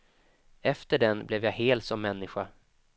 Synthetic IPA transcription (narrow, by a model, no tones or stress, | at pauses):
ɛft̪əɖɛnblɛvjaɦeːlt̪sɔmːɛnːɪɧa